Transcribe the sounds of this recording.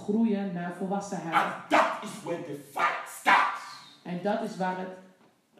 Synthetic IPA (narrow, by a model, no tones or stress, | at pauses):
χrujənaːrfɔlˠʋɑsəɦɛðətɪzwɛ̃ndəfaɪntstɑ̰tsʔɛndɑtɪsʋaːrət